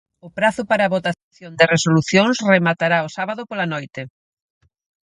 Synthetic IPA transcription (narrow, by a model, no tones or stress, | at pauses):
ʊpɾaθʊpaɾaːβot̪aθjond̪ɪresoluθjoŋsremat̪aɾaosaβaðʊpolanojt̪e